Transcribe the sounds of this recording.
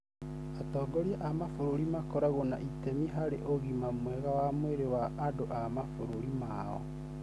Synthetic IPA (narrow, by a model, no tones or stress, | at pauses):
atɔɡɔɾiaʔamafoɾoɾimakɔɾaɣonaʔitɛmiɦaɾeʔoɣimamwɛɣawamweɾewaːdoʔamafoɾoɾima | ɔ̰